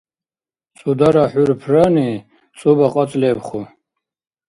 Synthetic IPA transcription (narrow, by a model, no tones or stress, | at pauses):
t͡sʼud̪aɾaħurpʰrani | t͡sʼubaqʼat͡sʼlɛbχu